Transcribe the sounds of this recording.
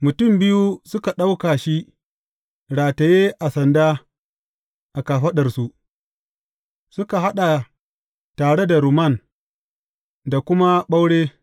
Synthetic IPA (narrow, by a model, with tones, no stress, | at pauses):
mʊ˨tʊ˦˨mbɪ˦ju˦sʊ˦ka˨ɗa˦wka˨ʃi˦ | ɽaː˨ta˨jeː˦ʔa˨sɐ˨ndaː˦ | ʔa˨kaː˨ɸɐ˦ɗɐ˨rsu˦ | sʊ˦ka˨ha˦ɗa˨ | taː˨ɽe˦da˨ɾu˨mɐ˦˨n | da˨kʷʊ˦ma˦ɓa˦wɽeː˦